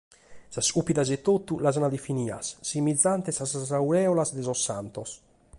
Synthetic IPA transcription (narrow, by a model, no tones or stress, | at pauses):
sasupid̪azɛt̪ːot̪ːulazanad̪efiniːa̰sːimid̪zːant̪ɛsasazawɾɛːɔlazd̪ɛzɔsːant̪ɔs